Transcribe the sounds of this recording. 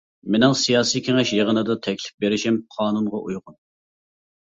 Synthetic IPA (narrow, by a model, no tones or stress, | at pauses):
menɪŋsijɑːsijkʲʰeŋɛʃjeʁənɨd̪ɑt̪ʰɛkʲlɪ̥p̚beɾɪʃɛmqʰɑːnunʁɑʔujʁʊn